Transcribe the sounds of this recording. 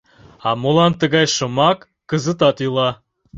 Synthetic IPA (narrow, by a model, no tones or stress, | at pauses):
ɑmolɑnt̪əɣɑjʃə̆mɑkːəzə̆t̪ɑt̪ylˠɑ